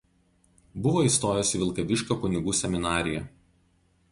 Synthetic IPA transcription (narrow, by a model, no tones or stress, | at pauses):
bʊʋoːiːˑst̪oːjosʲiʋʲɪlˠkɐʋʲɪʃʲkʲoːkʊnʲɪɡuːsʲɛmʲɪnɑːɾʲɪjɛ